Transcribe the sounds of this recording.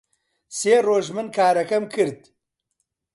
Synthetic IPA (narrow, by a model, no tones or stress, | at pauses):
seːroːʒmɨnkʰaːɾɐkɐmkʰɨɾd̪